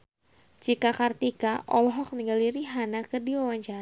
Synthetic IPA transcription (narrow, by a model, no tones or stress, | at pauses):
d͡ʒikakart̪ikaʔɔlɦɔk̚niŋɡaliɾiɦanakədiwawaɲt͡ʃaɾa